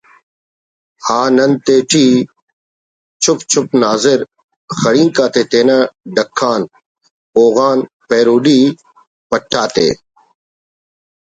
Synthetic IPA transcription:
haːnənt̪eːʈʰiː | t͡ʃʰʊpt͡ʃʰʊp̚naːzɪɾ | xəɽĩːŋkaːt̪eːt̪eːnaːɖəkʰːaːn | oːɣaːn | peːɾuːɖiː | pəʈʰːaːt̪ḛː

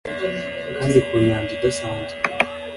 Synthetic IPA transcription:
kaːndikuɲaːɲd͡ʒidasaːɲd͡ʒe̥

